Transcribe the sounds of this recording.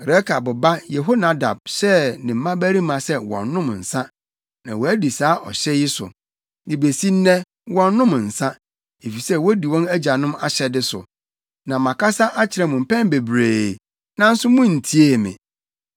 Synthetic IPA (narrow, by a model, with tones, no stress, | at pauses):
ɾɛ˦kʰa˨bʊ˨ba˦je˨ɦo˦na˨da̰˨b̚ɕɛ˦nɪ̃˨m̩˦mã˦bæ˦ɾi˦mã˨sɛ˦wɔ̰̃˨nnʊ̃˦mn̩˨sã˦ | nã˨wɔ˨æ˦di˨saː˨˦ʔɔ̰˨ɕɛ˦jɪ˦sʊ̰˨ | nɪ̃˨be˨si˦n̩˦nɛ̃˦ | wɔ̃˨n˦nːʊ̃˦m˨n̩˨sã˦ | e˨fi˨sɛ˦wɔ˦di˨wɔ̃˦næ˦d͡ʑa˨nʊ̃˦ma̰˦ɕɛ˨dɪ˦sʊ̰˨ | nã˨mã˨kʰa˦sa˦ʔa˦t͡ɕʰɪ˨ɾɛ˨mʊ̃˨m̩˨pʰɛ̃˦nbe˨bɾeː˨ | nã˦n̩˦sʊ˦mʊ̃˦n̩˨tʰi˦e˦˨mɪ̰̃˨